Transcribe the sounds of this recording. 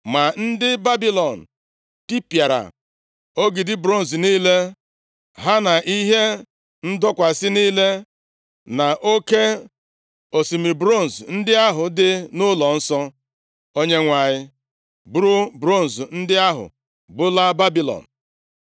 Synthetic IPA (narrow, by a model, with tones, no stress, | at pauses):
ma˨n̩˦dɪ˦ba˦bi˦lɔ˨n̩˨ | ti˦pja˨ɾa̰˨ | o˦ɡi˨dɪ˦bɾo˦˨n̩˨zniː˦le˦ | ɦa˦na˨ʔi˦ɦe˦ | n̩˦dɔ˦kʷa˨sɪ˦niː˦le˦ | na˨ʔo˦ke˦ | o˨si˨mi˨bɾo˦˨n̩˨zn̩˦dɪ˦a˦ɦʊ˨dɪ˦nʊ˦lɔ˨n̩˦sɔ˦ | o˦ɲe˦ŋʷa˨ɲɪ˦ | bʊ˦ɾʊ˦bɾo˦˨n̩˨zn̩˦dɪ˦a˦ɦʊ̰˨ | bʊ˦la˦ba˦bi˦lɔ̰˨n̩˨